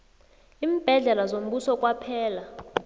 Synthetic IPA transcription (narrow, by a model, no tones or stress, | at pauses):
iːm̩b̥ʱɛɮɛlazom̩ɓusɔkʼwapʰɛːla